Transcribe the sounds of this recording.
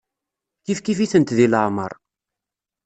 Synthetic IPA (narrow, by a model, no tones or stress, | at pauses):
kifkifiθənt̪ðiləʕmə̰ɾˤ